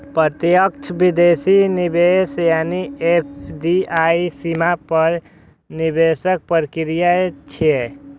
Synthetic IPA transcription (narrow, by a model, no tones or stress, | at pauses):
pɾət̪jək̚t͡ʃʰbɪd̪eːsinibeːsjaːniepʰɖiaːisimapəɾ | nɪbeːsək̚pəɾkɪɾijat͡ʃʰe